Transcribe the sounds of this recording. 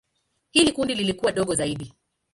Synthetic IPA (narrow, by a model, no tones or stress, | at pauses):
hilikundililikuwaɗɔɠɔzaiɗi